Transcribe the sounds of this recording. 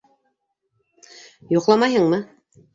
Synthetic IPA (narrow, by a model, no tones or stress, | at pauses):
joqlˠɑmɑjɦɤɴmɤ